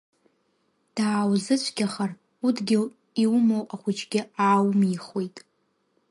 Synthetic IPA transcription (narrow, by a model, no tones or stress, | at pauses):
d̥aːwzɨt͡ʃʷʰɡʲaχar | udɡʲɪ | iwmowaχʷʊt͡ʃʰʼɡʲɪaːwmiχwojtʼ